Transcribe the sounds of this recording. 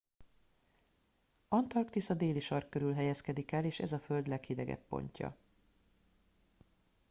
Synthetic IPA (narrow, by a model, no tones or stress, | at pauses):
ɒnt̪ɒrkt̪isɒd̪eːliʃɒrkkøɾylɦɛjɛskɛd̪ikɛleːʃɛzɒføld̪lɛkhid̪ɛ̰ɡɛ̰pːo̞̰ɲcɒ̰